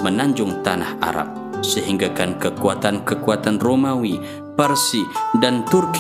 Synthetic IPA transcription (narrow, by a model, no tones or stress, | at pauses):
mənaɲd͡ʒʊŋt̪ana̰hʔa̰ɾa̰p̚ | səɦiŋɡakankəkuat̪ankəkuat̪anromawi | pərsidant̪urk